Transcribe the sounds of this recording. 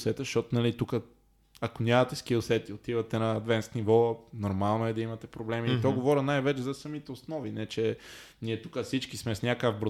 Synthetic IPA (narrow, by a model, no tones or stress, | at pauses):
sɛt̪ɛʃt̪ɔt̪onɐlit̪ukə | ɐkonʲamɐt̪ɛskilˠsɛt̪iot̪ivɐt̪ɛnɐːd̪vɛnsk̪nivɔnoɾmalˠnoɛd̪ɐimɐt̪ɛpɾoblɛmiːt̪ɔɡovɔɾinajvɛt͡ʃɛzɐsɐmit̪ɛosnɔvinɛt͡ʃɛ | niɛt̪ukəfsit͡ʃkismɛsnʲakəvbɾo